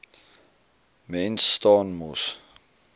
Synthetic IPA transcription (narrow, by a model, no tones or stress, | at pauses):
mɛnstɑnmus